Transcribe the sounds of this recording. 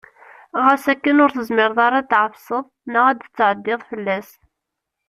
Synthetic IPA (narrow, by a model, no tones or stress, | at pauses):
ʁəsækːənʊɾθəzmɪɾðˤɑɾˤɑt̪ːʕəfsəðˤnəʁæd̪ət͡sːʕəd̪ːɪðˤfəlːæs